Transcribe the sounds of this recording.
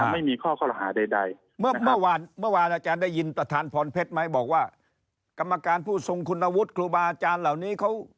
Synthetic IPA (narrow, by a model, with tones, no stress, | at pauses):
a˧ma˥˩jmiː˧kʰɔː˥˩kʰɔː˥˩la˧ɦaː˩˦da˧˩jda̰˧j | mɯ˥˩a˦mɯ˥˦˩waː˧nmɯ˥˩ɐwaː˧nʔaː˧t͡ɕaː˧ndaː˥˩jːi˧npɾa˧t̪ʰaː˧npʰɔː˧npʰe˦˥t̪̚ma˦˥jbɔː˨˩k̚waː˥˩ | ka˧mːa˧kaː˧npʰuː˥˩so˧ŋkʰu˧nːa˧wu˦˥t̪̚kʰluː˧baː˧ʔa˧t͡ɕaː˧nla˨˩wniː˦˥kʰa˦˥w